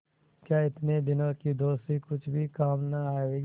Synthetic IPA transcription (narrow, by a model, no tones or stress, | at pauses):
kjaːɪt̪nebɪnãkid̪oːst̪ikʊt͡ʃʰbʱikaːmnɐaːeʋeːɡ